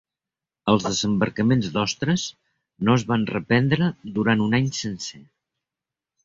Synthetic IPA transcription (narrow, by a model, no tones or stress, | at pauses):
əlˠzðəzəmbəɾkəmenzd̪ɔst̪ɾəs | noəzβanrəpɛnd̪ɾəðuɾanunaɲsənsɛ